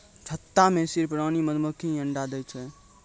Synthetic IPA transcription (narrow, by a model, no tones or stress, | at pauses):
t͡ʃʰət̪ːamesiɾpɾaːniməd̪məkʰĩəɳɖad̪ɛt͡ʃʰɛ